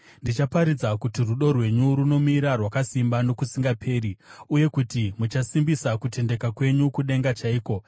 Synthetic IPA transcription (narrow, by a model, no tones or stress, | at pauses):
ndit͡ʃapaɾid͡zakutiruɗo̞rwe̞ɲuɾuno̞miɾarwakasimbano̞kusiŋɡapʰe̞ːɾiuje̞kutimut͡ʃasimbisakute̞nde̞kakwe̞ɲukuɗe̞ŋɡat͡ʃaiːko̞